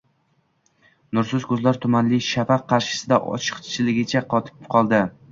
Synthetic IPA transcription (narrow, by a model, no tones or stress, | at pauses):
nʊɾsʊzkʰɵzlaɾt̪ʰʊmanlɪʃafaqʰːɑɾʃɪ̥sɪd̪aʔɒ̰t͡ʃʰɨ̥qt͡ʃʰɪlɪɡʲɪt͡ʃʰaqʰɒt̪ʰɪ̥pqʰɒlˠd̪ɪ